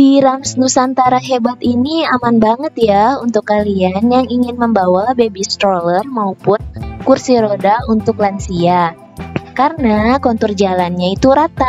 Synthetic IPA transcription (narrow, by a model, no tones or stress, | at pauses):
biɾamsnusant̪aɾaɦebat̪iniamanbaŋət̪̚jaunt̪ʊkːalianjaŋiŋɪnməmbawabebist̪ɾolərmaupʊnkursiɾodaunt̪ʊklansia | karənakɔnt̪ɔrd͡ʒalanɲait̪uɾat̪a